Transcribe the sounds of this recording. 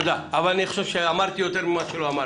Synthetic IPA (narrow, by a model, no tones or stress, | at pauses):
d̪aavanɛχʃɔʃɛamaɾt̪ʰiɔt̪ʰɛɾmimaʃʰɛlɔama